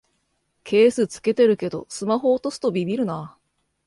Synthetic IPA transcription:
kʰe̞ːsɨt͡sɨ̥ke̞t̪e̞ɾɯ̟ke̞d̪o̞̰sɨmaɦo̞ːt̪o̞sɨ̥t̪o̞bʲibʲiɾɯ̟na

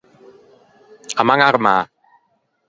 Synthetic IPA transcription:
amaŋaɾɯma

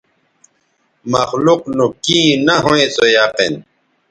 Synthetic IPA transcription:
mɐxluqnukĩːnɐɦoẽsojaːqḛn

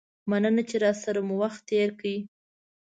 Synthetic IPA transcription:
manənat͡ʃeɾɑsaɾamuwaxt̪ːeɾkawi

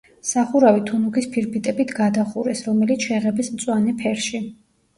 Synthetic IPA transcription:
saχuɾavit̪ʰunuɡispʰiɾpʰit̪ʼɛbit̪ʰɡad̪aχuɾɛsɾɔmɛlit̪ʃɛʁɛbismt̪sʼwanɛpʰɛɾʃi

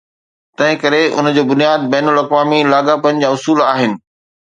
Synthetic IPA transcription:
t̪ɐ̃ɦɪ̃kɐɾeʊ̰n̆d͡ʑoːbʊnijaːd̪̚bɐːnʊlɐkʋaːmilaːɡapɐñd͡ʑaːʊsuːlaːɦɪnɪ̆

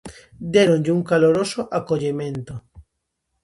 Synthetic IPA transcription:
d̪eɾoɲʎɪuŋkaloɾosoʔakoʎemẽnt̪o

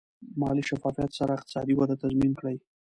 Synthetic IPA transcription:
mɑliʃafɑfijat̪saɾaɪq̚t̪ɪ̥sɑ̰d̪iwad̪at̪azminkɽaj

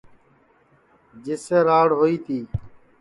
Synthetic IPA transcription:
d͡ʒɪseːɾaːɽɦoːiːt̪ʰiː

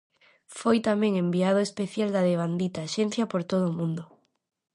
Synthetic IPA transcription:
fojt̪amẽŋembiað̞oespeθjald̪aðeβ̞and̪it̪aʃen̟θjapoɾt̪oðoːmũnd̪o

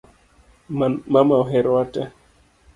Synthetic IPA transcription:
mamaɔɦɛɾatɛ

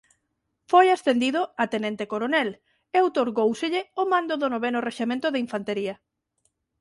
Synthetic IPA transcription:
fojast̪end̪iðʊat̪enent̪ekoɾonɛl | ewt̪oɾɣowseʎɪomãnd̪oðonoβenʊreʃemẽnt̪ʊðeiɱfant̪eɾiɐ

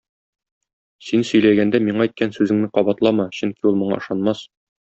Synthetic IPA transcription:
sinsɵ̆jlæɡænd̪æmiɴɑɛjt̪̚kænsʉzɘ̆ŋnɘqɒbɑt̪lˠɑmɑɕɵŋkiulˠmɤ̆ɴɑ̰ɤ̆ʃɑnmɑs

